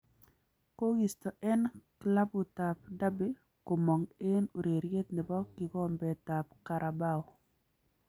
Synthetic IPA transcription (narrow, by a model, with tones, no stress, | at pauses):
ko˦ɡi˨stɔ˨ʔɛ˦nkla˦bʊ˨ta˨p̚da˦bɪ˦ | ko˨mɔ˨ŋɪ˦no˨ɾe˨ɾje˦t̪nɪ˨bɔ˦kɪ˨kɔ˦mbɛ˨ta˨p̚ka˨ɾʔa˨ba˦˨ɔ˨